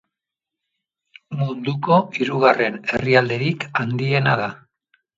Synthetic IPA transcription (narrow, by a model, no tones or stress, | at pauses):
mund̪uko̞iɾuɣare̞ne̞riald̪e̞ɾikand̪ie̞nað̞a